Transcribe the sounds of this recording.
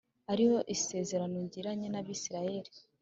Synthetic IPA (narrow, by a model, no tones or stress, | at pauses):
haɾiho̞ʔise̞ːze̞ɾano̞ɲɟiɾaɲenaβisiɾaje̞ɾi